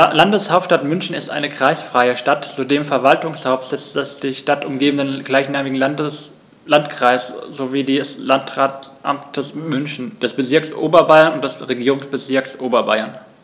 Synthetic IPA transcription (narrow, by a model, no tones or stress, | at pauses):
landəshaʊp̚t͡ʃʃtatmʏnçn̩ɪstʔa̰ɪnəkʁ̥aɪsfʁ̥aɪəʃtatzudeːmfɛɐvaltʊŋshaʊfpz̥ɛt͡sd̥ɛsd̥iːʃtatʊmɡeːbm̩n̩dənɡ̥laɪçnaːmɪɡŋ̩ | lantkʁ̥aɪsz̥oviːdiːslantʁaːtʔa̰mtʰəsmʏnçn̩d̥ɛsb̥ət͡sɪɐksʔo̰ːbɐbaɪɐnʊnt̚d̥ɛsʁeɡiːʁʊŋsb̥ət͡sɪɐksʔoːbɐba̰ɪɐn